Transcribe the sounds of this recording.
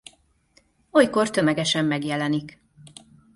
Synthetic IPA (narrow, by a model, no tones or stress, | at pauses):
o̞jko̞rt̪ø̞mɛɡɛʃɛmːɛɡjɛlɛnik